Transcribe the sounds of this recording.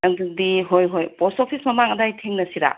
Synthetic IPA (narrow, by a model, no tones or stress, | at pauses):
ɐŋddiɦojɦojpɔsopʰismɐmaŋɐdajtʰeŋnɐsiɾa̰